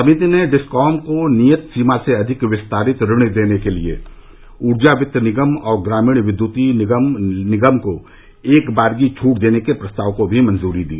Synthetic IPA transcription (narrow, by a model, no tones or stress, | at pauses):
sɐmiːt̪ineɖɪskɔːmkonijət̪siːmaseɐd̪ʱɪkʋɪst̪aːɾɪt̪ɾɪɽ̃id̪eːnekeliḛ | uːɾd͡ʒaʋɪt̪ːənɪɡəmɔːɾɡɾaːmiːɽ̃ʋɪd̪juːt̪i | nɪɡəmko | eːkbaːɾɡit͡ʃʰuːʈd̪eːnekepɾɐst̪aːʋkobʱimɐ̃nzuːɾid̪iː